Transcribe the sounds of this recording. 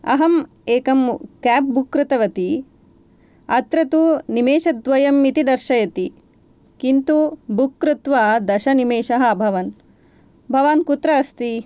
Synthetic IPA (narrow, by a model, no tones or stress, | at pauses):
ɐ̰ɦɐm | eːkɐmkæːp̚bukɾut̪ɐʋɐt̪i | ɐt̪ɾɐt̪unimeːʃɐd̪ʋɐjɐmːit̪id̪ɐɾʃɐjɐt̪i | kint̪ubʱukːɾut̪ʋaːd̪ɐʃɐnimeːʃɐɦɐ̆bʱɐʋɐn | bʱɐʋaːnkut̪ɾɐːst̪i